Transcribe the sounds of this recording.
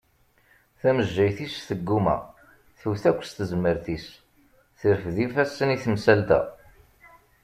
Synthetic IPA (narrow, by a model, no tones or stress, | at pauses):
θæməʒːæjθisθəɡːumæ̰ | θuwθækʷːst̪əzməɾθis | θəɾfðifæsːəniθəmsælt̪æ̰